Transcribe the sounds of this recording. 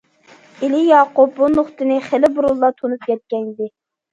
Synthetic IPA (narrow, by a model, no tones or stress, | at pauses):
ilijɑːqʊp̚bunoχt̪ɨnɪχelɪbuɾulˠːɑt̪ʰonup̚kʲɛt̪̚kʲɛnɪd̪ɪ